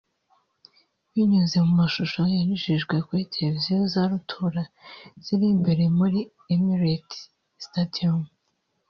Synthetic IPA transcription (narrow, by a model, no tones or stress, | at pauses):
βiɲuze̞mumaʃuʃojaɲuʒiʒɡwe̞kwiːtʰebozaɾutʰuɾaz̥iɾimbe̞ɾe̞muɾi | emiɾet | stadiom